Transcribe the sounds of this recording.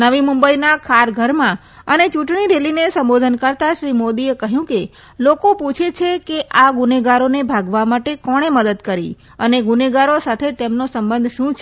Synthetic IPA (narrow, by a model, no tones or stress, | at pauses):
nəʋimʊ̃mbəinakʰaɾɡʱəɾmã | ənet͡ʃũʈɳ̃iɾelinesə̃mbod̪ʱənkəɾt̪aʃɾimod̪iekəɦjũke | lokoput͡ʃʰet͡ʃʰekeʔaɡʊneɡaɾonebʱaɡʋamaʈekɔɽ̃eməd̪əd̪kəɾḭ | əneɡuneɡaɾosat̪ʰet̪emnosəmbə̃nd̪ʱʃũt͡ʃʰe